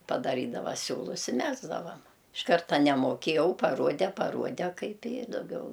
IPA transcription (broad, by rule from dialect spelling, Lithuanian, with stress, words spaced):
pɐdɐˈrʲiːdɐʋɐ ˈsʲuːlˠʊs ɪ ˈmʲæːɡzdɐʋɐm ɪʃ ˈkɐrtɐ nʲɛmoːˈkʲeːjɛʊ pɐˈruɔdʲɛ pɐˈruɔdʲɛ ˈkɐɪp ɪ dɐˈɡʲɛʊ